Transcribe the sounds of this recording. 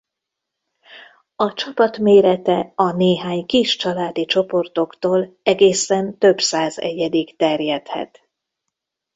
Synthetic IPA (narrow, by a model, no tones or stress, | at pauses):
ɒt͡ʃɒpɒt̪meːɾɛt̪ɛɒneːɦaːɲkiʃt͡ʃɒlaːd̪it͡ʃo̞po̞rt̪o̞kt̪oːlɛɡeːsɛnt̪ø̞bsaːzɛ̰ɟɛd̪ikt̪ɛrjɛt̪hɛ̰t̪